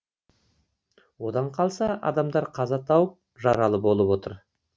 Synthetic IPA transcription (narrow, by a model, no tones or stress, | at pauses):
wo̞d̪ɑɴqʰɑlˠsɑɑ̰d̪ɑmd̪ɑɾqʰɑzɑt̪ʰɑwəp̚ | ʒɑɾɑlˠəpo̞lˠəpwo̞t̪əɾ